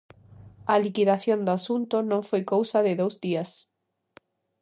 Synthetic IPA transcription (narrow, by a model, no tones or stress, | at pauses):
alikiðaθjond̪ʊasunt̪ʊnõŋfojkowsaðɪðowzdias